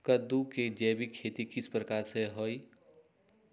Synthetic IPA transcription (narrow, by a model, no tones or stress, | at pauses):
kəd̪uked͡ʒɛbikʰet̪ikispɾəkaɾseɦoj